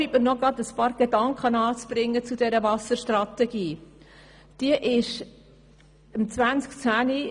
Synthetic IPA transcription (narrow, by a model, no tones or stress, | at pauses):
iʔməɾnɔɡɾɑt̪əspɑːɾɡ̥ed̥̪ɑŋkχənɑːt͡sb̥ɾɪŋːət͡sud̥̪ɛɾəvɑsəʃtɾɑt̪ɛɡ̥iː | d̥iəʔɪʃ | əmt͡sʋænt͡skt͡sæːni